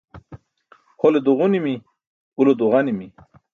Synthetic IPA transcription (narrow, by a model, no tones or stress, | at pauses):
holed̪uʁunimi | ulod̪uʁanimi